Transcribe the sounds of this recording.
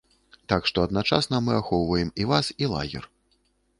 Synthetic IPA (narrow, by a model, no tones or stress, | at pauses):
t̪akʂt̪ɔɐd̪nat͡ʂa̰snɐmɨaxɔwvɐjɛmivasilˠa̰ɣʲɛ̰r